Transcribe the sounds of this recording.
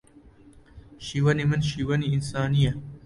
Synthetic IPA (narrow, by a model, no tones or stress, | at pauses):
ʃiwɐnimɐnɕiwɐniːnsaːnijɐ